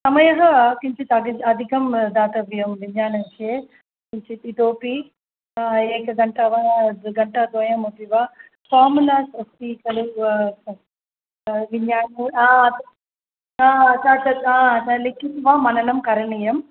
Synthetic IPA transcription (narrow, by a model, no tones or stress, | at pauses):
sɐmɐjɐɦɐkiɲt͡ʃit̪ɐɡiɐd̪ʱikɐmd̪aːt̪ɐbjɐmʋiɲːaːnɐnt͡ʃʰeː | kiɲt͡ʃit̪it̪oːpi | eːkɐɡɐɳʈɐʋaɡɐɳʈɐd̪ʋɐjɐmut̪iʋaː | kaːmunɐsɐst̪ikɐlu | ʋiɲaːnuaːt̪ | aːt͡ʃaːt͡ʃɐalikːisʋaːmɐnɐnɐmkɐɾɐɳijɐm